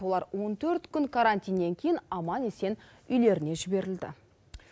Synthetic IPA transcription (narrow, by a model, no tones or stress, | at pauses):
o̞lˠɑɾwo̞nt̪ʰɵɾt̪kʲʰʏŋkʰaɾant̪ijnːe̞ŋkʲʰejɪnɑmɑnese̞n | ʏjle̞ɾɪne̞ʒɪbe̞ɾɪld̪ɪ̰